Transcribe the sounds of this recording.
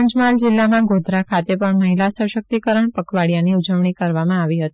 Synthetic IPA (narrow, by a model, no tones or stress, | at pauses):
əɲd͡ʒmald͡ʒɪlːamãɡod̪ʱɾakʰat̪epəɳməɦilasəʃək̚t̪ikəɾəɳpəkʋaɽijaniud͡ʒəʋɳikəɾʋamãaʋiɦət̪i̥